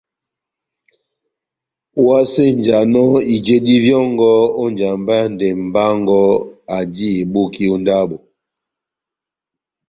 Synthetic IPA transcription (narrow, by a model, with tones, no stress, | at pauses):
wa˦se˦n˨d͡ʒa˨nɔ˦i˨d͡ʒe˦di˦vjɔ˦ŋɡɔ˦o˦nd͡ʒa˨mba˦n˨de˨m̩˨ba˦ŋɡɔ˦a˨di˦e˨bo˦ki˦o˦nda˦bo˨